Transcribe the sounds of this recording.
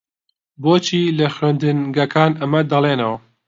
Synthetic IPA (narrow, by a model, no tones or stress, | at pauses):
boːt͡ʃiːlɐxwend̪ɨnɡɐkʰaːnɐmɐd̪ɐlˠeːnɐwɐ